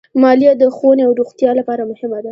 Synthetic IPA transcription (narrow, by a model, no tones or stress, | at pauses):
mɑlijad̪əxoneawɾuxt̪jɑlapɑɾamʊhɪmad̪a